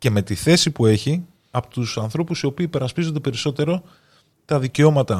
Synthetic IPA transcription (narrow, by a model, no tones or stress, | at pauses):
ce̞me̞t̪iθe̞sipue̞çi | ɐpot̪usɐnθɾo̞pusio̞piːpe̞ɾɐspizo̞nd̪e̞pe̞ɾiso̞t̪e̞ɾo̞ | t̪ɐðice̞o̞mɐt̪ɐ